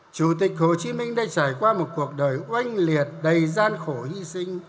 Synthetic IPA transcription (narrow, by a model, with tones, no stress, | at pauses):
t͡ɕu˧˩t̪ï˨˩k̚ho˧˩t͡ɕi˨˦mï˧ŋ̟ɗaː˧˩jt͡ɕaː˧˩jkwaː˧mo˨˩t̚ku˨˩ək̚ɗəː˨˩jʔwa˧jŋ̟li˨˩ət̚ɗə˨˩jzaː˧nxo˧˩hi˧sï˧ŋ̟